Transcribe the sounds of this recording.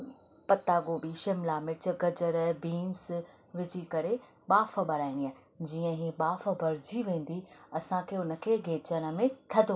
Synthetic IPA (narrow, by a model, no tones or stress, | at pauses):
pɐt̪aːɡoɓiʃɪmlaːmɪt͡ɕʊ̆ɡɐd͡ʑəɾəbiːns | ʋɪt͡ɕikɐɾe | ɓaːfəbɐɾaːɪ̃ɽ̃iaːɦɪ | d͡ʑiːə̃ɦiɓaːf̆bʱɐɾd͡ʑiʋẽːn̆d̪iɐsãkʰeːʊnə̆kʰeːɡʱeːt͡ɕəɽ̃ə̆mẽt̪ʰɐd̪ʱo